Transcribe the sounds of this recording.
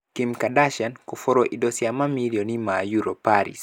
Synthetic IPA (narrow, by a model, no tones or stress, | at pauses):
kimkadaʃankufɔɾoʔidosiamamilionimajuɾopaɾḭs